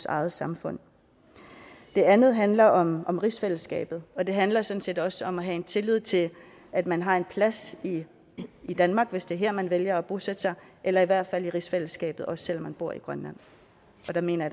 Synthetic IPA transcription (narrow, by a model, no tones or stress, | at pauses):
sɑ̈ɪð̩ˠsɑ̈mfɔ̽n̰ | d̥e̝ænð̞̩ˠɦænlɐʔɒ̽mɒ̽mʁisfel̰sɡ̥ɛ̰ːb̥ð̞̩ˠɒ̽d̥e̝ɦænlɐsɒ̽dn̩se̝ːd̥ɒ̽səɒ̽mæɦæe̝nt͡sʰe̝lið̞̰ˠt͡sʰe̝ | æd̥mænɦɑ̈e̝npʰlæsiː | d̥ænmɑ̈ːɡ̥ʋe̝sd̥e̝æɐɦæɐ̰mænʋeljɐɒ̽b̥o̝sed̥əsɑ̈ɪʔelɐiʋæɐ̰d̥fæl̰iʁisfel̰əsɡ̥ɛ̰ːb̥ð̞̩ˠɒ̽sə̥sel̰ɒmːænb̥o̝ɐ̰iɡ̥ʁɶnlæn̰ | ɒ̽d̥ɑ̈me̝̰ːnɐ